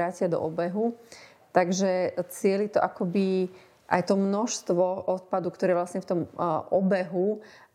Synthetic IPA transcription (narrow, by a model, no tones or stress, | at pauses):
aːcɪad̪ɔ̰ʔɔbɛɦu | t̪aɡʒɛt͡sɪɛlit̪ɔʔakɔbi | ʔa̰jt̪ɔmnɔʃst̪ʋɔʔɔt̪̚pad̪ukt̪ɔɾɛːʋlasɲɛft̪ɔmʔɔbɛɦu